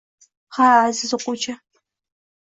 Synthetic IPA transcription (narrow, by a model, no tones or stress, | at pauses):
χɑaːzɨzɨqʷʊt͡ʃʰʼɐ